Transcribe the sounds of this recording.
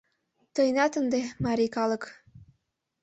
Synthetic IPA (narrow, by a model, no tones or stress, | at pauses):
t̪ɤjnɑt̪ənd̪emɑɾikɑlɤ̆k